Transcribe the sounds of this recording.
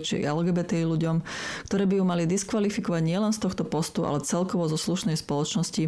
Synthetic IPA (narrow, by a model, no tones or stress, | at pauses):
t͡ʃḭɛlɡɛːbɛt̪ɛːiluɟɔmkt̪ɔɾɛːbijumalid̪iskʋalifikɔʋaɟɲɪɛlɛnst̪ɔxt̪ɔpɔst̪uʔa̰lɛt͡sɛlkɔʋɔzɔsluʃnɛjspɔlɔt͡ʃnɔsci